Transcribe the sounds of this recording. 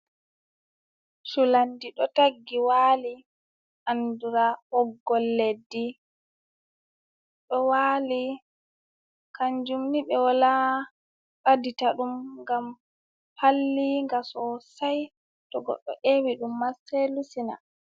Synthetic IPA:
sulandiɗɔtaɡːiwaːli | ʔanduɾahɔɡːɔlːedːi | ɗɔwaːli | kaɲd͡ʒumniɓɛwala | ɾaditaɗumŋɡam | palːiŋɡasɔsaj | tɔɡɔ̰ɗːɔ̰ʔewiɗumːasɛlusina̰

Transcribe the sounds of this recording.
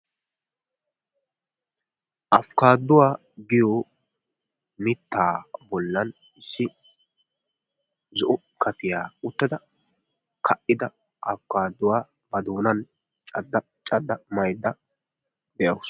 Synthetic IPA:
ʔɐfkaːd̪ːʊwaː | ɡɪjo | mɪt̪ːaːbɔlːɐn | ɪsːɪ | zʊʔʊ | kʰɐt̪ɪjaːʊt̪ːɐd̪ɐ | kʰɐʔːɪd̪ɐ | ʔɐfkaːd̪ːʊwaː | bɐd̪oːnɐn | t͡ʃʼɐd̪ːɐ | t͡ʃʼɐd̪ːɐmɐjd̪ːɐ | d̪ɛʔɐws

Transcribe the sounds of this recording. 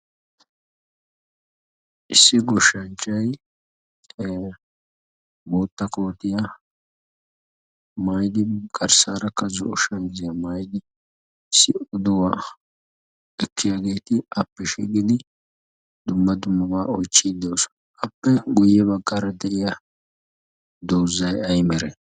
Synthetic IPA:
ʔɪsːɪɡɔʃɐnt͡ʃːɐj | boːt̪ːɐkoːt̪ːɪjɐ | majd̪ɪkʼɐɾsaːɾɐkːɐzʊɔʃɐnzɪjɐmaːjd̪ɪ | ɪsːɪʔɔd̪ɔwa | ɛkːɪjaɡe̞ːt̪ɪʔɐpːɛʃḭɡɪd̪ɪ | d̪ʊmːɐd̪ʊmːɐbaːɔjt͡ʃːɪd̪o̞ːsɔ̥n | ɐpːɛɡʊjːɛβɐɡːaːɾɐd̪ɛʔɪjɐ | d̪oːzːɐjɐjmɛɾɛ

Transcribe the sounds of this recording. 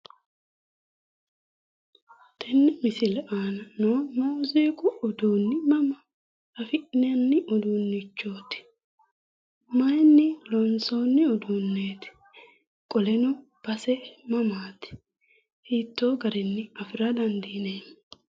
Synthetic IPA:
t̪ɛnːɪmɪsɪlɛʔaːnɐnoːnoʊziːkʼʊɔd̪uːnːɪmɐmɐ | ɐfɪʔnɪɐnːɪʔɔd̪uːnːɪt͡ʃːo̞ːt̪ɪ̥ | mɐjnːɪlɔnso̞ːnːɪɔd̪unːeːt̪ɪ̥ | kʼɔlɛnʊb̥ɐsɛmɐmaːt̪ɪ̥ | hiːt̪ːo̞ːɡɐɾɛnːɪɐfɪɾɐd̪ɐnd̪iːnen

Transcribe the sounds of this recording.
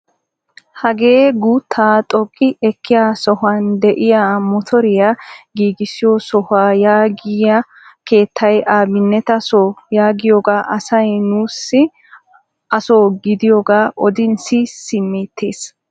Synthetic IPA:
hɐɡe̞ːɡuːt̪ʰːaːt̪ʼɔkʼːɪʔɛkʰːɪjaːsɔhʊɐnd̪ɛʔɪjaːmɔt̪ʰɔɾɪjaɡiːɡɪsɪjosɔhaːjaːɡɪjɐ | ke̞ːt̪ʰːɐjʔaːbɪnːɛt̪ɐsoːjaːɡɪjoːɡaːʔɐsɐjnuːsːɪ | ʔɐsoːɡɪd̪ɪjoɡaːʔɔd̪ɪnsɪsɪmːeːt̪ʰːeːs

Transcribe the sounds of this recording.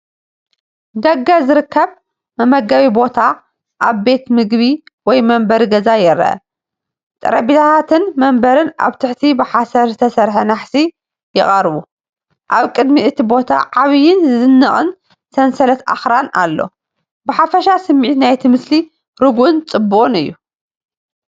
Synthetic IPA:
d̪ɐɡːazɨɾɨkːɐβ | mɐmɐɡaβibo̞t̪ʰa | ʔaβbe̞t̪mɨɡβiwɔjmɐmbɐɾiɡɐzajɛɾːɐ̰ʔɐ̰ | t̪ʼɐ̰ɾɐbit̪ʰat̪at̪ʰɨnmɐmbɐɾɨna̰βt̪ʰɨħt̪ʰibɨħasɐɾzɨt̪ʰɐsɐɾħɐnaħsi | jɪχʼɐɾβu | ʔaβkʼɨd̪miʔɨt̪ʰibo̞t̪ʰa̰ʕaβjɪnzɨzɨnːɐχʼɨ̰n | sɐnsɐlɐt̪ʔa̰xɾana̰lːo̞̰ | bɨħafɐʃasɨmːiʕt̪najt̪ʰimɨsli | ɾɨɡuʔnt͡sʼɨbːuχʼɨnɨjːu

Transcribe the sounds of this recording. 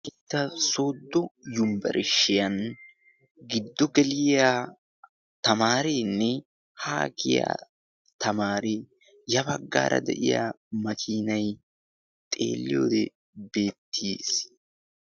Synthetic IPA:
ʔɪt̪ːɐso̞ːd̪ːɔjʊmbɐ̰ɾʔɪʃːɪjɐn | ɡɪd̪ːɔɡɛlɪja | t̪ɐmaːɾeːnːɛ | haːkɪja̰ | t̪ʰɐmaːɾeː | jɐbɐɡːa̰ːɾɐ̰d̪ɛ̰ʔɪ̰ja̰ | mɐkʰiːnɐj | t̪ʼe̞̰ːlːɪ̰jo̞̰ːd̪ɛ | be̞ːt̪ːiːs

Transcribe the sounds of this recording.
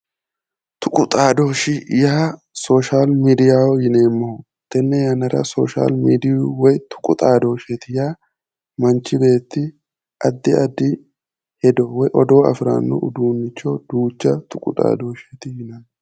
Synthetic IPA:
t̪ʊkʼʊt̪ʼaːd̪oːʃɪjaː | so̞ːʃaːlmiːd̪ɪjaːwɔjɪne̞ːmːɔ | t̪ːɛnːɛjɐnɐɾɐ̰soːʃa̰ːlmiːd̪ɪjʊwɔjt̪ʰʊ̥kʼʊt̪ʼaːd̪o̞ːʃet̪ɪjaː | mɐnt͡ʃːɪbe̞ːt̪ːɪ | ʔɐd̪ːɪɐd̪ːɪ | hɛd̪ɔwɔjʔɔd̪o̞ːɐ̰fɾa̰ːnːɔ̰ʊd̪uːnːɪt͡ʃːɔd̪̥uːt͡ʃːɐt̪ʰʊkʼʊt̪ʼa̰ːd̪oːʃet̪ɪjɪnan

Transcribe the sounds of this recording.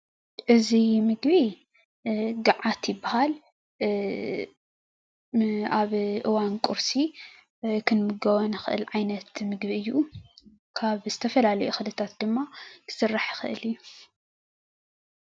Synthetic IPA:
ʔɨzimɨɡbi | ɡaʕat̪jɪbːahal | aβʔɨwankʼuɾsi | kʰɨnmɨɡɐwɐnɨxɨʔɨ̰lʕajnɐt̪mɨɡbiɨjːu | kʰaβzɨt̪ʰɐfɐlalɐjuxɨlɨt̪ʰat̪̚d̪ɨmːakʰɨ̥sɨrːaħjɪxɨ̰ʔɨlɨjːu

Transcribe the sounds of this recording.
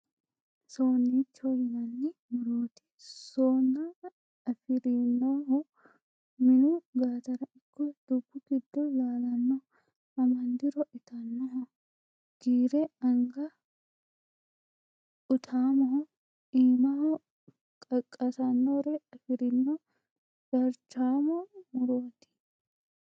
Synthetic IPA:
soːnːiːt͡ʃːolɪmɐnːɪmʊɾoːt̪ɪ̥soːnːa | ɐfɪɾɪnːoɦɔ | mɪnuɡaːt̪ɐɾɐʔɪkːɔd̪̥ʊbːʊɡɪd̪ːɔlaːlɐnːɔ | ɐmɐnd̪ɪɾɔʔɪt̪ɐnːɔɦɔ | ɡ̥iːɾɛɐŋɡɐ | ʊt̪ʰaːmɔhɔ | iːmɐhɔ | kʼɐkʼːɐt̪ɐnːoɾɛɐfɪɾɪnːo | d̥ɐɾt͡ʃaːmɔmʊɾoːt̪ɪ̥

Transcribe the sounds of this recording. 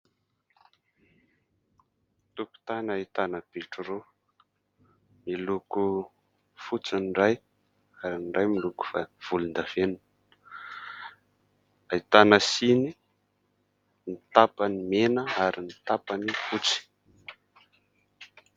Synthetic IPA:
t̪uku̥t̪anait̪anəb̥iʈ͡ʂuro | miluku | fut͡sinraj | aɾinɖ͡ʐajmiluku̥vav̥ulund̪av̥enu | ait̪anəsini | nit̪apanimenəaɾinit̪apanifut͡si̥

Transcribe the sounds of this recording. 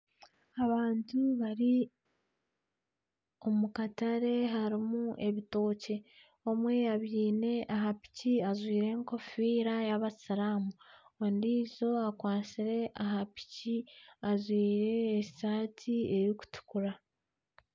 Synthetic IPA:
aβaːntuβaɾi | omukataɾe̞ɦaɾimuʔe̞βito̞ːce̞ | o̞mwe̞aβiːne̞ʔaɦapi̥ciazwiːɾe̞ːŋko̞fiːɾajaβasaɾamuondiːzo̞akwaːsiɾe̞ʔaɦapi̥ciazwiːɾe̞ːsaːtʰie̞ɾoku̥tu̥kuɾa

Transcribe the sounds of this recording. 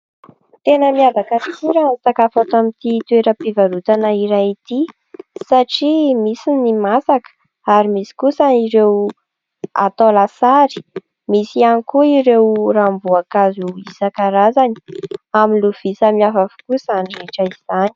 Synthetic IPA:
t̪enəmiavakaisiɾansakafat̪amit̪it̪ueɾəpivaɾut̪anəiɾajit̪i | saʈ͡ʂimisinimasakə̥ | aɾimisi̥kusaiɾew | a̰t̪olasaɾi̥ | misianikuiɾewrambuakazuisakaɾazani̥aminluv̥isəmiafafu̥kusanireʈ͡ʂəiz̥ani̥

